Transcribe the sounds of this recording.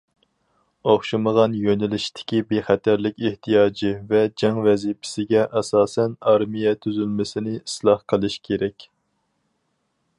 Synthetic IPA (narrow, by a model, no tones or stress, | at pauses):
oχʃɨməʁɑnjønɪlɪʃt̪ʰɪ̥kʲibeχæt̪ʰæɾlɪkʲeht̪ʰijɑːd͡ʒivɛd͡ʒɑŋvɛzipʰɪ̥sɪɡʲɛʔɛsɑːsɛnɑɾmijɛt̪ʰyzylmɪsɪnɪislˠɑhqʰəlˠɨʃkʲʰeɾɛkʲ